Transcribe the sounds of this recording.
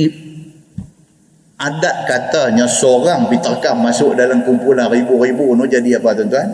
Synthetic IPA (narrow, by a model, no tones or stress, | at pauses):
i | adat̪̚kat̪aɲasoɾaŋpit̪ərkahmasʊʔdalamkumpulanriburibunud͡ʒadiapat̪ənt̪uɦan